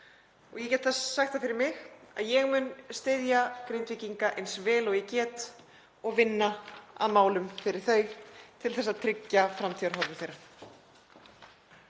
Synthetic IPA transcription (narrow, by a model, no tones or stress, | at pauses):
ɔɣjɛcɛt̪θasːaxt̪afɪɾɪɾmɪɣa̰ðjɛɣmʏnst̪ɪðjakɾejnt̪viciŋkaʔejnsvɛːlɔɣjɛcɛːt̪ | ɔɣvɪnːaa̰ðmaːwlʏmfɪɾɪɾ̥θœːɥt̪ʰɪlθɛsaðt̪ʰɾɪcːafɾamt̪ʰiœɾ̥ɦɔɾvʏθejɾḁ